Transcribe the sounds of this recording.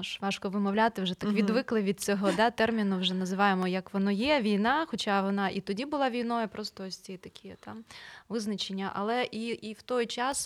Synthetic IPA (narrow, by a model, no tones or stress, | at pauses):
ʃʋɑʃkɔʋɪmɔwlʲat̪ɪwʒɛt̪akʋʲid̪ʋɪklˠɪʋʲid̪̚t͡sʲɔɦɔd̪ɑt̪ɛrmʲinʊwʒɛnɐzɪʋɑjemɔjɐkʋɔnɔjɛʋʲijnɑxɔt͡ʃaʋɔnɑʔit̪ɔdʲibʊlˠɑʋʲijnɔjʊpɾɔst̪ɔɔsʲt͡sʲit̪ɐkʲʰijɛt̪ɑmʋɪznɐt͡ʃenʲːɐʔɐ̰lˠɛʔiiwt̪ɔjt͡ʃɑs